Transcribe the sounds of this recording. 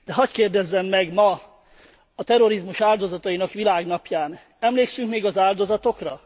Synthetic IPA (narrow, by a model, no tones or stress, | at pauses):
d̪̥ɛɦɒckeːrd̪ɛzːɛmːɛɡmɒ | ɒt̪ɛɾo̞ɾizmuʃaːld̪o̞zɒt̪ɒjinɒkʋilaːɡnɒpjaːn | ɛmleːksyŋkmeːɡɒzaːld̪o̞zɒt̪o̞krɒ